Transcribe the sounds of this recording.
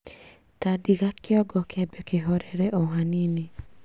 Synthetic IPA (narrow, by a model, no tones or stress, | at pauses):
tadiɡakːɪɔɡɔkɛbɛkeɦɔɾɛɾɛʔoɦanini